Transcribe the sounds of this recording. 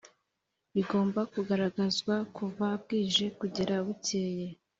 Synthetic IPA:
βiɡo̞ːmbakuɡaɾaɡazɡwakuvab̚ɡiːʒe̞kuɟeɾaβuceːje̞

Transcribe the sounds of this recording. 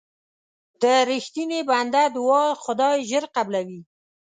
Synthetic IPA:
d̪əɾɪxt̪ineband̪ad̪wɑxʊd̪ɑjʒəɾqablawi

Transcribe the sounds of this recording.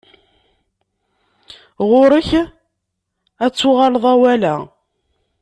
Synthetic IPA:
ʁʊɾəç | æt͡sːʊʁɑlðˤæwælæ

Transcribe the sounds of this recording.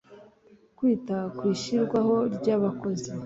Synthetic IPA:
kwiːtakwiːʃiɾɡwaho̞ɾɟaːβako̞zi

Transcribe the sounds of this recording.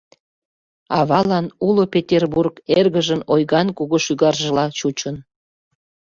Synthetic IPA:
ɑβɑlɑnulopʲetʲerburkerɣəʒənojɣɑnkuɣoʃyɣɑrʒəlɑt͡ɕut͡ɕən

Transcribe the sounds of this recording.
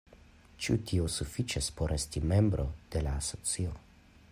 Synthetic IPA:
t͡ʃutʰiosufit͡ʃespo̞ɾʔe̞stime̞mbɾʔo̞d̥e̞laːso̞t͡sio̰

